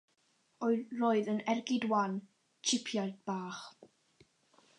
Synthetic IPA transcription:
oɨroːɨðənɛrɡɪdwan | t͡ʃʰɪpʰjaɨdb̥aːχ

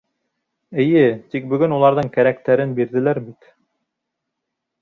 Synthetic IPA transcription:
ɘ̆jɘt̪ik̚bɵ̆ɡɵnulˠɑɾðɤɴkæɾækt̪æɾɘnbiɾðɘ̆læɾbit̪

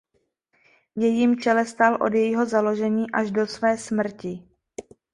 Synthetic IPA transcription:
jɛjiːmt͡ʃɛlɛst̪alʔo̞̰djɛjɪɦo̞zalo̞ʒɛɲiːʔaʒdo̞svɛːsmr̩cɪ

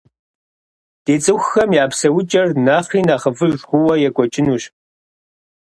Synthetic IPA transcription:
d̥eːt͡sʼɨxxɐmjaːpsɐwʊt͡ʃʼɐrnaːχiːnaːχəvɨʒʒxʷʊwɐjɛkʷʼɔt͡ʃʼɪnuːɕ

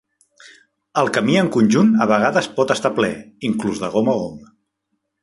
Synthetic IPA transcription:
əlˠkəmiəŋkunʲʒunəβəɣaðəspɔt̪əst̪aplɛiŋkluzðəɣ̞oməom

